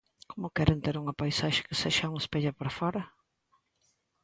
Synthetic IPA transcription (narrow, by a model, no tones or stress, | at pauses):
komʊkɛɾent̪eɾuŋɐpajsaʃɪ̥kɪ̥seʃɐuŋɐspeʎɐpɾafɔɾɐ